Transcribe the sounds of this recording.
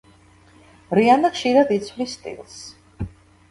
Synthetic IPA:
ɾianaχʃiɾad̪it̪sʰwlist̪ʼḭlˠs

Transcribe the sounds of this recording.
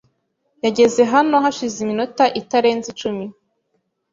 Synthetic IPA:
jaɟe̞ze̞ɦano̞ɦaʃizimino̞taʔitaɾe̞ːnzit͡ʃumi

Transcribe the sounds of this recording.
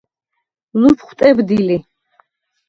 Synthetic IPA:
lupʰχwt̪ʼɛbd̪ili

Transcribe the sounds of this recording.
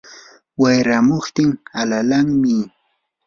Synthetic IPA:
wajɾamoχt̪ɪŋalalaŋmɪ

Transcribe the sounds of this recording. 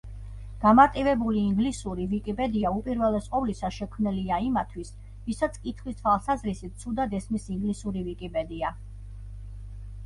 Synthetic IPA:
ɡ̥amaɾt̪ʼivɛbuliːŋɡlisuɾivikʼipʼɛd̪iaupʼiɾvɛlɛsʼqʼɔvlisaʃɛkʰmnɛliaimat̪ʰwis | visat̪sʰkʼit̪ʰχwist̪ʰwalˠsazɾisit̪̚t̪sʰud̪ad̪ɛsmisiŋɡlisuɾivikʼipʼɛd̪ia

